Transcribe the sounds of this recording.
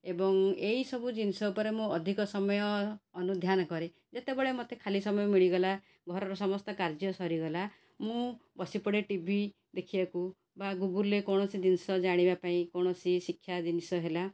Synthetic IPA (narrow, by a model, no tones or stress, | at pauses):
ebɔŋeisɔbʱud͡ʒinisɔupɔɾemũɔd̪ʱikɔsɔmɔjɔːnud̪ʱjanɔkɔɾe | d͡ʒet̪ebɔɭemot̪ʰekʰalisɔmɔjɔmiɭiɡɔla | ɡʱɔɾɔɾɔsɔmɔst̪ɔkaɾd͡ʒjɔsɔɾiɡɔla | mũbɔsipɔɽeʈibʱi | d̪ekʰibaku | baɡuɡulekɔɽ̃ɔsid͡ʒinisɔd͡ʒaɽ̃ibapaĩkɔɽ̃ɔsisikʰːjad͡ʒinisɔɦela